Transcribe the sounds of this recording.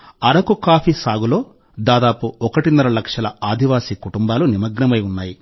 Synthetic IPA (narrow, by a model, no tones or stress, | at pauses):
ɐɾɐkukaːpʰisaːɡulo̞ː | d̪aːd̪aːpuɔkɐʈinːɐɾɐlɐkʂɐlɐaːd̪ʱiʋaːsiːkuʈumbaːlunimɐɡnɐmɐjunːaːji